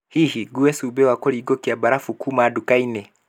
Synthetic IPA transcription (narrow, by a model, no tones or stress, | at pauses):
hihiɡuɛsubɛwakɔɾiɡɔkiabaɾafukumadukainɛ